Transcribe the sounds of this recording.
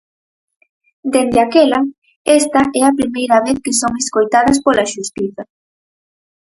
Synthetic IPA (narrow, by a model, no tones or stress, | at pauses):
d̪end̪eakɛlɐ | est̪ɐʔɛɐpɾimejɾɐβeθkɪsoŋeskojt̪aðɐspolɐʃust̪iθɐ